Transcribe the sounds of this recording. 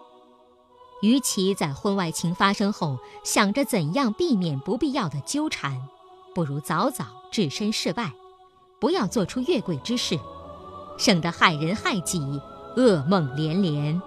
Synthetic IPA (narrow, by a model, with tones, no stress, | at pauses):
y˧˥t͡ɕʰi˧˥t͡sa˥˩ɪxwə˥nwa˥˩ɪt͡ɕʰi˧˥ŋfa˥ʂɤ˥ŋxo˥˩ʊɕjɑ˨˩ŋʈ͡ʂə˦t͡sə˨˩njɑ˥˧ŋpi˥˩mjɛ˨˩npu˧˥pi˥˧jɑ˥˩ʊd̪ə˩t͡ɕjo˥ʊʈ͡ʂʰa˧˥n | pu˥˩ɻu˧˥t͡sɑ˧˥ʊt͡sɑ˨˩ʊʈ͡ʂɻ̩˥˩ʂə˥nʂɻ̩˥˧pa˥˩ɪ | pu˧˥jɑ˥˧ʊt͡swɔ˥˩ʈ͡ʂʰu˥ɥɛ˥˩kwe˨˩ɪʈ͡ʂɻ̩˥ʂɻ̩˥˩ | ʂɤ˨˩ŋd̪ə˧˦xa˨˩ɪɻə˧˥nxa˥˧ɪt͡ɕi˨˩ɤ˥˧mɤ˥˧˩ŋljɛ˧˥nljɛ˧˥n